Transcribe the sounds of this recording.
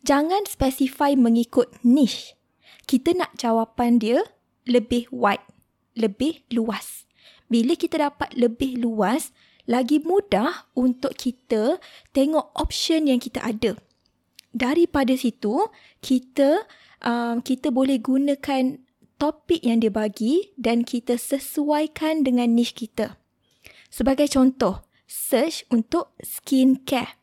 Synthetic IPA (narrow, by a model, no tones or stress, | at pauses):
d͡ʒaŋãnspɛsifajmə̃ŋikʊt̪̚nɪh | kit̪ənaʔd͡ʒawapandiə | ləbɪhwajt̪̚ | ləbɪhluas | biləkit̪ədapat̪̚ləbɪhluas | laɡimũdahunt̪ʊʔkʰːit̪ət̪eŋɔʔɔp̚ʃənjaŋkit̪a̰ʔadə | daɾipadasit̪u | kʰit̪ə | ʔəmkit̪əbolɛhɡunə̃kan | t̪opɪk̚jaŋdiəbaɡidankʰit̪əsəsuajkandəŋãnːɪʃkit̪ə | səbaɡajt͡ʃɔnt̪ɔh | sət͡ʃunt̪ʊʔ̚skinkɛ